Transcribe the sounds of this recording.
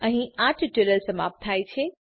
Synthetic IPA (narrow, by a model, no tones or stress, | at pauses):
əɦĩãʈʈeləlsəma̰p̚t̪ʰajt͡ʃʰɛ